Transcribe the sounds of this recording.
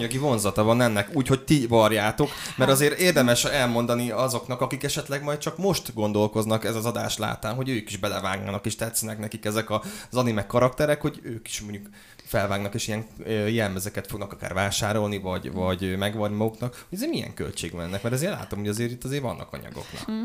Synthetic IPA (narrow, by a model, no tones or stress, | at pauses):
ɲɒɡivo̞nzɒt̪ɒvɒnɛnːɛkuːcho̞c̚t̪ivɒrjaːt̪o̞kmɛɾɒzeːɾeːrd̪ɛmɛʃɛlmo̞nd̪ɒniɒzo̞knɒkɒkikɛʃɛt̪lɛɡmɒjt̪̚t͡ʃɒkmo̞ʃt̪ɡo̞n̪d̪o̞lko̞znɒkɛzɒzɒd̪a̰ːʃla̰ːt̪aːnɦo̞ɟøːkiʒbɛlɛvaːɡna̰ːnɒkeːʃt̪ɛt̪snɛknɛkikɛzɛkɒzɒnimɛkːɒɾɒkt̪ɛɾɛkho̞ɟøːki̥ʃmoɲɟuk | fɛlvaːɡnɒkeːʃijɛŋøjɛlmɛzɛkɛt̪fo̞ɡnɒkɒka̰ːrvaːʃaːɾo̞lnivɒɟvɒɟmɛɡʋɒrnimɒɡuknɒkhɟɛzeːɾmijɛ̰ŋkø̰lt͡ʃḛːɡmɛ̰nːɛkmɛɾɛzeːrla̰ːt̪o̞mhoɟɒzeːɾit̪ːɒzeːrvɒnːɒ̰kɒ̰ɲɒ̰ɡo̞̰knɒ̰k